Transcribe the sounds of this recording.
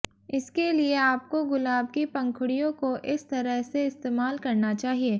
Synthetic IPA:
ɪskelieaːp̚koɡʊlaːb̚kipɐ̃ŋkʰʊɽijõkoʔɪst̪ɐɾəɦseɪst̪eːmaːlkɐɾnat͡ʃaːɦieː

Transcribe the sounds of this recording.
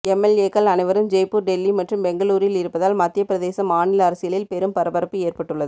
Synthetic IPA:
ɛmɛleːkɐlɐnɐɪʋɐɾɯmd͡ʒɛjpːuɾɖɛlːimɐʈrɯmbɛŋɡɐɭuːɾɪlɪɾɯpːɐðaːlmɐt̪ːɪjɐpːɪɾɐðeːsɐmaːnɪlɐːɾɐsɪjɐɭɪlpɛɾɯmpɐɾɐbɐɾɐpːɯeːrpɐʈːɯɭːɐðɯ

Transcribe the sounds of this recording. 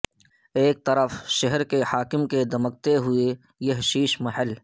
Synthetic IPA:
eːk̚t̪ɐɾəfʃɐɦəɾkehaːkɪmked̪ʱɐmək̚t̪eɦʊe | jɐɦʃiːʃmɐɦəl

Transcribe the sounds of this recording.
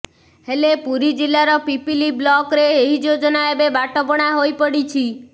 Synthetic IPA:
helepuɾid͡ʒilːaɾɔpipiliblɔkɾeːɦid͡ʒod͡ʒɔnaebebaʈɔpɔɽ̃aɦojpəɽit͡ʃʰi

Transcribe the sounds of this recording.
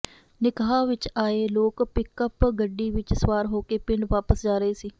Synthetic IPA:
nɪkaːʋɪt͡ʃaːeːloːkpɪkəpɡəɖːiːʋɪt͡ʃsʋaːɾɦoːkeːpɪɳɖʋaːpəsd͡ʒaːɾəɦeːsiː

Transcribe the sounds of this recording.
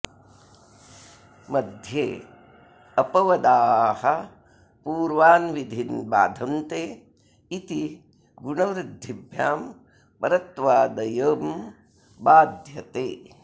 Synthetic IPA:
mɐd̪ʱjeː | ɐpɐʋɐd̪aːhɐ | puːɾʋaːnʋid̪ʱinba̰ːd̪ʱɐnt̪eː | it̪i | ɡuɳɐʋɾɪd̪ʱːibʱjaːm | pɐɾɐt̪ʋaːd̪ɐjɐːm | baːd̪ʱjɐt̪eː

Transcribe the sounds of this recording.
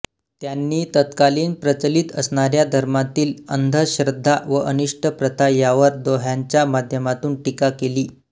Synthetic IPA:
t̪janːiːt̪ət̪kaliːnpɾət͡səliːt̪əsɳaɾjad̪ʱəɾmat̪iːlə̰nd̪ʱəɕɾəd̪ʱːaʋəʔəniʂʈʰəpɾət̪ʰajaʋəɾd̪oɦjaɲt͡ɕjamad̪ʱjəmat̪uːnʈikakeliː

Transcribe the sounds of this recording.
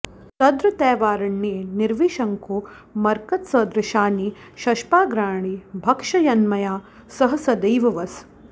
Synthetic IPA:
t̪ɐd̪ɾɐt̪ɛːʋaːɾɐɳːeːniɾʋiːʃɐŋkuː | mɐɾkɐt̪sɐd̪ɾɪʃaːni | ʃɐʃpaːɡɾaːɳibʱɐkʂɐjɐnmɐjaː | sɐɦɐsɐd̪ɐjʋɐʋɐs

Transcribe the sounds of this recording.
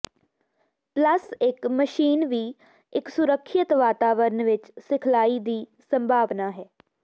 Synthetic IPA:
pləsɪkməʃiːnʋiː | ɪksʊɾəkʰːət̪ʋaːt̪aːʋəɾnʋɪt͡ʃsɪkʰlaːiːd̪iːsəmbʱaːʋnaːɦɛː

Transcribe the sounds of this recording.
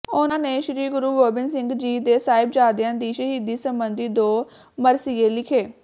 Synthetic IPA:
ʊnãːneːʃɾiːɡʊɾuːɡoːbɪnsɪŋɡd͡ʒiːd̪eːsaːɪb̚d͡ʒaːd̪ɪjãːd̪iːʃəɦid̪iːsəmbənd̪iːd̪oː | məɾsieːlɪkʰeː

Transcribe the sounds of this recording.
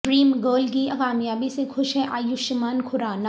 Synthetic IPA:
pɾiːmɡəːlkiɐkaːmjaːbisexʊʃɦɛʔaːjʊʃɪmaːnkʰʊɾaːna

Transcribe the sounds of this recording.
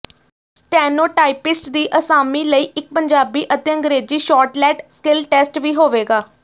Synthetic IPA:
sʈɛːnoːʈaːipɪsʈd̪iːʔəsaːmiːləiːʔɪk̚pəɲd͡ʒaːbiːʔət̪ẽːə̃ŋɡɾeːd͡ʒiːʃɔːʈlɛːʈskɪlʈɛːsʈʋiːɦoːʋeːɡaː

